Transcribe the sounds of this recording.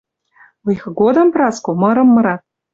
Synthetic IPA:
lɤjxɤ̆ɡod̪ɑmprɑskomɤ̆ɾɤ̆mːɤ̆ɾɑt̪̚

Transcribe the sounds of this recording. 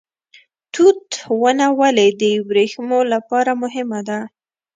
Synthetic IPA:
t̪ut̪wənawəled̪əjbɾexmolapɑɾamʊɦɪmad̪a

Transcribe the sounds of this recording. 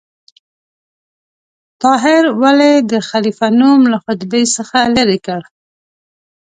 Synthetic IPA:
t̪ɑɦɪɾwaled̪əxalifanumlaxʊt̪bejsəxaləɾekəɽ

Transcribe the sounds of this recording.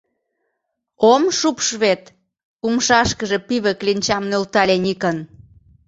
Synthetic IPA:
omʃupʃβet̪ | umʃɑʃkəʒe̽piβə̆klinʲt͡ɕɑmnølt̪ɑlʲenikən

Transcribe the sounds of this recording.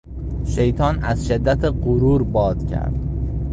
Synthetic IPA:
ʃejt̪ʰɒnæz̥ʃɪd̪ːat̪ʰɪqʊɾuɾbɒd̪kʲʰæ̰ɾd̪̥

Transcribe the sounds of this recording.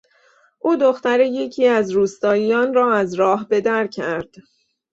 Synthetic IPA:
ʔuːd̪o̞xt̪æɾeje̞cʰiːæzɾuːst̪ɒːjijɒːnrɒːæzɾɒːɦbe̞d̪æɾcʰæɾd̪̥

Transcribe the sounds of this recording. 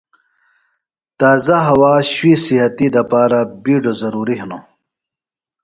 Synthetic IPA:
t̪aːzaɦɐwaːɕwisiɦɐt̪id̪ɐpaːɾabiːɖozɐɾuːɾiɦno

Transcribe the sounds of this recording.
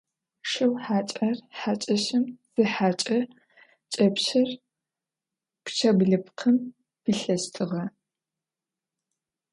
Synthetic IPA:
ʂɐwħaːt͡ʃʼɐrħaːt͡ʃʼɐɕɨmz̥ɨħaːt͡ʃʼɐ | t͡ʃʼɐpɕɐr | pt͡ʃʰɐbɮɨpqʰəm | piɬɐstʰɨʁɐ

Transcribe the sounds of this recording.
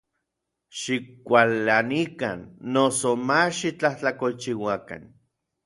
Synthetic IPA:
ʃikʷalːanika̰nːosomaʃit͡ɬaht͡ɬakolt͡ʃiwaka̰n

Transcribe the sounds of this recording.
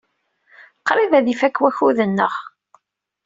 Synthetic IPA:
qɾˤivæðifækːwæçuðənːə̰ʁ

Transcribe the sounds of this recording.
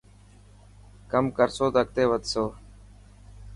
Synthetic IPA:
kəmkəɾsoːd̪ək̚t̪eːʋət̪soː

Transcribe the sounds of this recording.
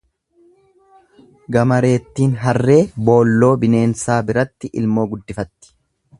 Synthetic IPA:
ɡɐmɐɾe̞ːt̪ːiːnɦɐrːe̞ːbo̞ːlːo̞ːbɪne̞ːnsaːbɪɾɐt̪ːɪʔɪ̰lmo̞ːɡʊd̪ːɪfɐt̪ːɪ̥

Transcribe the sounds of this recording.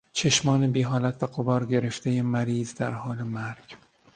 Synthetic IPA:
t͡ʃʰeʃmɒːnebiːɦɒːlæt̪ʰvæɡobɒːɾɟe̞ɾe̞ft̪ʰejemæɾiːzd̪æɾhɒːlemæɾɡ̥

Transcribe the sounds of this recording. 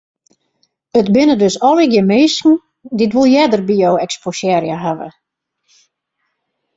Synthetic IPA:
ətbɪnədøsɔliɡjəmeːsŋ̩ | ditʋulˠjɛdərbiowɛksposjɛːɾjaɦaʋə̰

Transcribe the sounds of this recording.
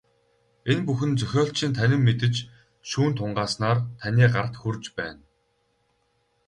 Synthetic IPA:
enpuxɘ̆nt͡sœxʲɔːɬt͡ɕʰiːnt̪ʰænʲɪ̆mːet̪ɘ̆t͡ɕ | ʃuːnt̪ʰʊɴɢaːsnaːrt̪ʰanʲiːɢart̪xɵrt͡ɕpæ̰ːn

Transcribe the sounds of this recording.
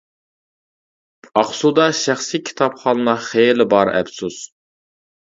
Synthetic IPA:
ɑχsud̪ɑʃæχsikʲʰi̥t̪ʰɑpχɑːnɨnɑχelɪbɑɾɛ̰bsus

